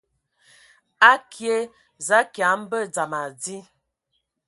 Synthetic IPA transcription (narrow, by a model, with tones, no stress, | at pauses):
a˦kʰje˦ | za˨˦kja˨˦m˦bə˦d͡za˨ma˨d͡zi˦